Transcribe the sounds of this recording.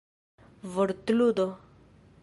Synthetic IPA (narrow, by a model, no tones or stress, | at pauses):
ʋəɽt̪lud̪ɔ